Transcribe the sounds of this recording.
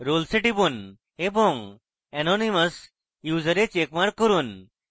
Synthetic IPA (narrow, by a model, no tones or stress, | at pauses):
ɾolsiʈibun | ebɔŋ | ɛnoniməs | jud͡ʒəɾet͡ʃekmaɾkːɔɾun